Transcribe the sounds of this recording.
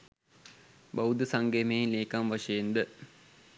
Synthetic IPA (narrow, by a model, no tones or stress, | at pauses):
bawd̪əsaŋɡemeleːkamʋaʂɐjend̪ə